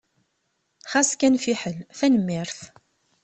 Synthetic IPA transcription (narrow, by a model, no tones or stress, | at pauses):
χaskænfiħəlθænəmːiɾθ